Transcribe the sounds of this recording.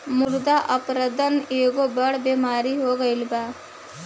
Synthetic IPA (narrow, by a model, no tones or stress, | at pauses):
mʊɾd̪aʔɐpɾəd̪əneːɡobɐɽbeːmaːɾiɦoːɡəɪlbaː